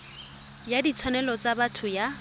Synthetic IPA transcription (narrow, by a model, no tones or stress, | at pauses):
jadit͡sʰwanɛlɔt͡sabatʰʊja